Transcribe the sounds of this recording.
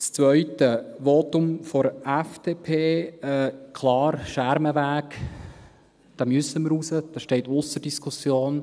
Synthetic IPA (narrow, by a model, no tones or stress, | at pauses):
st͡svœʏtəʋoːt̪ʊmfɔɾɛfd̥eːpʰeːɛkʰlɑːɾʃæɾməvæːk | d̥ɑmʏsəməɾusəd̥ɑʃtɛɪtʊsərd̥iskʰusjoːn